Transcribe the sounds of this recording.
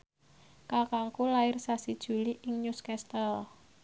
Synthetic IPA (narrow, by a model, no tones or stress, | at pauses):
kakaŋkulaɪrsasid̥ʒ̥ṳliʔɪŋɲuskɛst̪əl